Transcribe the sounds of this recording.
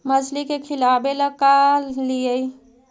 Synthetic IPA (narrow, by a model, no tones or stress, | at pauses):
məd͡ʒlikekʰilabeləkaliəi